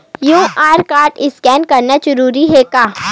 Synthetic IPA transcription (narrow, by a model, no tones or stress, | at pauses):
jũːʔaːɾkaːɾʈɪskɛːnkɐɾnad͡ʒɐɾuːɾiɦɛkaː